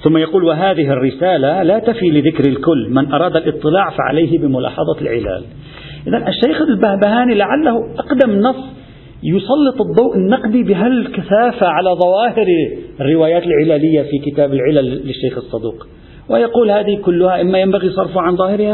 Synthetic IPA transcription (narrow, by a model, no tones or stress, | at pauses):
θʊmːajɑquːlwɪɦaːðɪɦɪrːɪsaːlalat̪afilɪðɪkɾɪlkʊlːmɪnʔɑɾˤɑːd̪alʔɨt̪ˤːɨlɑːʕfa̰ʕa̰lajɦɪbɪmʊlɑ̰ːħɑðˤɑlʕɪ̰la̰ːl | ʔɪðanʔɪʃːajxalbahbahaːnilaʕalːahʊʔɑqd̪amnːɑsˤː | jʊsˤɑlːɨt̪ˤɨd̪ˤːɑwʔɪnːɑqd̪ibɪɦalkaθaːfaʕalaðˤɑwɑːhɪɾrːɪwaːjaːt̪ɪlʕɪlaːlɪjːafikɪt̪aːbɪlʕɪlalːɪʃːajxɨsˤːɑd̪ṵːq | wɪjɑquːlhaːðɪhkʊlːʊhaʔɪmːajambaɣisˤɑrˤfʊʕanðˤɑːhɪɾha